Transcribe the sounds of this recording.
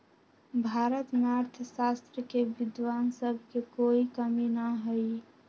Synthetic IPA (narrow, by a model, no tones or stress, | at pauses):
bʱaːɾət̪naɾt̪ʰəsast̪ɾəkeʋɪd̪waːnsəbʱkekoːikəminaɦəi